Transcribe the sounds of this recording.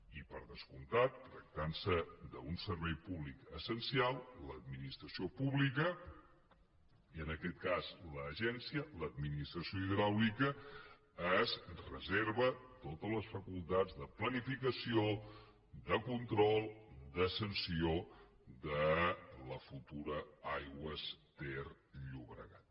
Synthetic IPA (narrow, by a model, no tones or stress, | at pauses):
ipəɾðəskunt̪at̪ːɾək̚t̪ansəd̪əunsəɾβɛjpuβlikəsənsialˠləd̪minist̪ɾəsiopuβlikə | iənəkɛt̪̚kazləːʒɛnsiələd̪̚minist̪ɾəsioiðɾawikəː | zrəzeɾβət̪ot̪ələsfəkulˠt̪ad͡zðəplənifikəsio | d̪əkunt̪ɾɔlˠd̪əsənsio | d̪ələfut̪uɾəajɣwəst̪er | ʎuβɾə̰ɣat̪̚